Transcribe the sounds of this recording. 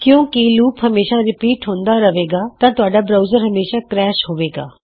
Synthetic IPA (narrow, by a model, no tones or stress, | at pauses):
kjõːkɪluːpɦəmeːʃaːɾɪpiːʈɦõːnd̪aːɾəʋeːɡaːt̪ãːt̪ʊaːɖaːbɾaːzəɾɦəmeːʃaːkɾɛːʃɦoːʋeːɡa̰ː